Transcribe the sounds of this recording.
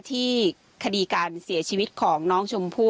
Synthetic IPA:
t̪ʰiː˥˩ | kʰa˧diː˧kaː˧nsi˩˦ɐt͡ɕʰiː˧wi˦˥t̪̚kʰɔː˩˦ŋnɔː˦˥ŋt͡ɕʰo˧mpʰuː˥˩

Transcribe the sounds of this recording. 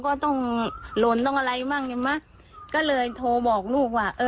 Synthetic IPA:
kɔː˧˥˩t̪ɔ˥˩ŋlo˧˦nt̪ɔ˥˩ŋʔa˧ɾa˧jmaː˥˩ŋe˧˩ma˦˥˩ | kɔː˥˩lɤː˧jt̪ʰoː˧bɔː˨˩k̚luː˥˩k̚waː˧˩ʔɤː˧

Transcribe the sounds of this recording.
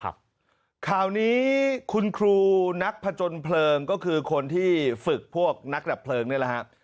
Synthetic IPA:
kʰaː˨˩wniː˦˥kʰu˧nkʰɾuː˧na˦˥k̚pʰa˧t͡ɕo˧npʰlɤː˧ŋkɔː˥˩kʰɯː˧kʰo˧nt̪ʰiː˥˩fɯ˨˩k̚pʰu˥˩ək̚na˦˥k̚da˨˩pʰlɤː˧ŋnɯ˥˩əla˦˩ha˦˥ʔ

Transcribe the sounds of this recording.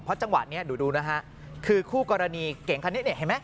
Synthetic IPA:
pʰɾɔ˦˥t͡ɕa˧ŋwa̰˨˩t̪̚ni˦˥ɐduː˩˦duː˧na˦˥kʰa˦˥ʔ | kʰɯː˧kʰuː˥˩kɔː˧ɾa˧niː˧ke˨˩˦ŋkʰa˧ne˦˥ni˥˩ɦa˨˩jma˦˥j

